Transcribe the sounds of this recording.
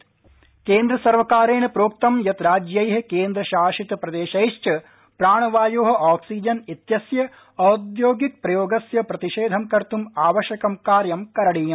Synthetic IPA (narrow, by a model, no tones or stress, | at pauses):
keːnd̪ɾɐsɐɾʋɐkaːɾeːnɐpɾoːk̚t̪ɐmjɐt̪ɾaːd͡ʒjɐjɦɐkeːnd̪ɾɐʃaːʃit̪ɐpɾɐd̪eːʃɐjʃt͡ʃɐ | pɾaːɳɐʋaːjoːɦɐ̆ʔaːksiːd͡ʒɐnit̪jɐsjɐ | ɐd̪joːɡik̚pɾɐjoːɡɐsjɐpɾɐt̪iʃeːd̪ʱɐmkɐɾt̪umaːʋɐʃjɐkɐmkaːɾjɐmkɐɾɐɽiːjɐm